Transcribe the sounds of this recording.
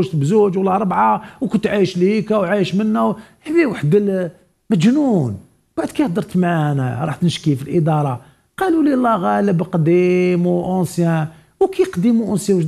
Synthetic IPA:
ʒt̪bzud͡ʒwlːɑɾˤəbʕawkʊnt̪ʕijəʃliikæwʕijəʃmənːæwħbiwaħd̪l | mæd͡ʒnun | b̥aʕd̪̚kijhd̪əɾˤt̪mænæ̰ɾˤɑħt̪nʃkifilʔəd̪ɑɾˤɑ | qɑlulilˤːæɣæləbqd̪imwʔʊnsjæ | wkijqd̪imuʔʊnsjæwʒ

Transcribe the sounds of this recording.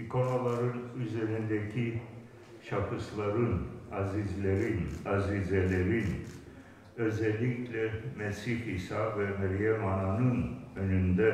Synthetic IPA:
ikʰo̞nolˠaɾɯnyzeɾind̪ɛcʰi | ʃafɯslˠaɾɯnɑzizlʲeɾinɑzizɛlʲeɾin | ø̞zɛlʲːiclʲɛmɛsihisavɛmɛɾjamananɯnø̞nynd̪ɛ

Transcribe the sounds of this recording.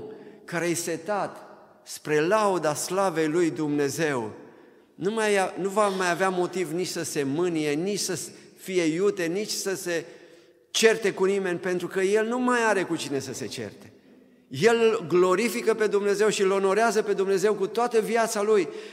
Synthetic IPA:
kaɾejse̞t̪at̪ | spɾe̞laud̪aslave̞jlujd̪umne̞ze̞w | numajanuvamajaveamo̞t̪ivnit͡ʃʲsəse̞mɨnije̞nit͡ʃsə | fije̞jut̪e̞nit͡ʃʲsəse̞ | t͡ʃe̞rt̪e̞kunime̞nʲpe̞nt̪ɾukəje̞lnumajaɾe̞kut͡ʃine̞səse̞t͡ʃḛrt̪e̞ | je̞lɡlo̞ɾifikəpe̞d̪umne̞ze̞wʃilo̞no̞ɾeazəpe̞d̪umne̞ze̞wkut̪oat̪əviat̪saluj

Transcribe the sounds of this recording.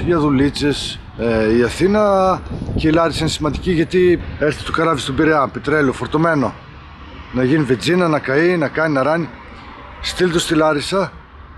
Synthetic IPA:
ʝɐðulit͡ses | iɐθinɐceilɐɾisɐinesimɐnd̪iciʝɐt̪ieɾθit̪okɐɾɐvist̪obiɾeɐpet̪ɾelofo̞ɾt̪ome̞no̞ | nɐʝinived͡zinɐnɐkɐinɐkɐninɐɾɐni | st̪ilt̪ost̪ilɐɾisɐ

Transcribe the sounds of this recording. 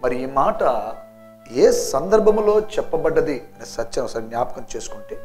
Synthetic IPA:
mɐɾiiːmaːʈɐ | eːsɐnd̪ɐɾbʱɐmlo̞ːt͡ʃɛpːɐbɐɖːɐd̪iɐneːsɐt͡ʃːɐnɐsɐɾnjaːpɐkɐmt͡ʃeːsu̥kuːɳʈeː

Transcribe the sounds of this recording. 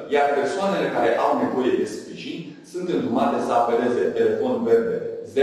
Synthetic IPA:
jarpe̞rsoane̞le̞kaɾe̞ʔawne̞vo̞je̞d̪e̞spɾiʒinʲ | sunt̪ɨnd̪umat̪e̞səape̞le̞ze̞t̪e̞le̞fo̞nve̞rb̪eze

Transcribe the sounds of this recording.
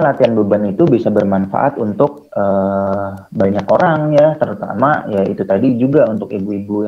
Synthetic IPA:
lat̪ianbəbanit̪ubisabərmanfa̰ʔa̰t̪unt̪ʊk̚əː | baɲakoɾaŋjat̪əɾut̪a̰majaḭt̪ut̪adid͡ʒuɡaunt̪ʊkibuibuj

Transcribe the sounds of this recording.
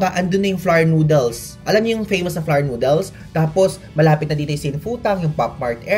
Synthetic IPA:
ɐʔɐnd̪onːɐjʊŋflaɹnuːd̪ɛls | ʔɐlɐmɲojʊŋfejmɐsnɐflaɹnuːd̪ɛls | t̪aːposmɐlaːpɪt̪nɐd̪iːt̪ʊjʊsɪnfuːt̪ɐŋjʊŋpap̚maɹt̪ɛ

